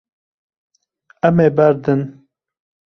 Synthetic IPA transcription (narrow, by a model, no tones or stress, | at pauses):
ɛmeːbæɾd̪ɨn